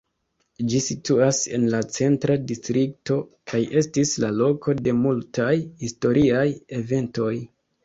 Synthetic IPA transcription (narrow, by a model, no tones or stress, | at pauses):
d͡ʒisituase̞̰nlat͡se̞ntɾadistɾikto̞kʰajʔe̞stislalo̞ko̞de̞multajhisto̞ɾʔiaje̞ve̞nto̞j